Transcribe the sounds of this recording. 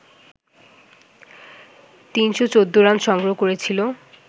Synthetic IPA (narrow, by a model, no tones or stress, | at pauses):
t̪inʃot͡ɕod̪ːoɾamʃɔŋɡɾokoɾet͡ɕʰilo